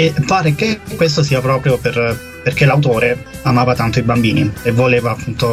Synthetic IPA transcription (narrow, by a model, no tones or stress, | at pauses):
epːaːɾek̟ekːwest̪osiːapɾɔːpɾjoper | perk̟elawt̪oːɾeamaːvat̪ant̪oibambiːnievːoleːvaːpːunt̪o